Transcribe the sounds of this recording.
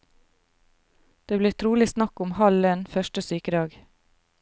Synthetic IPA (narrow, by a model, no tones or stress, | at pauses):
d̪̥eːbliːt̪ʰɾuːlɪsnɑkʊmhɑlənfœʃʈəsyːkəd̪ɑːɡ